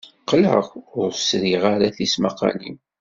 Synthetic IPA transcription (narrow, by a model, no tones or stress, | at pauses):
qlə̰ʁʊɾsɾiʁaɾaθismɑqɑ̰lḭm